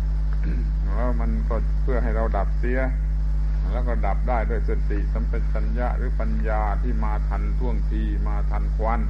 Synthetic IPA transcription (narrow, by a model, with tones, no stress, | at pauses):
lɛː˦˥wma˧nkɔː˥˩ | pʰɯ˥˩ɐɦa˥˩jɾa˧wda˨˩p̚si˨˦˥ɐ | lɛː˦˥wkɔː˥˩da˨˩p̚daː˥˩jdu˥˩əjse˧t̪i˨˩ʔsa˨˦˥mpe˧t̪̚t͡ɕa˧nja˦˥ʔɾɯː˨˦pa˧njaː˧t̪ʰiː˥˩maː˧t̪ʰa˧nt̪ʰu˥˩əŋt̪ʰiː˧maː˧t̪ʰa˧nkʰwa˧n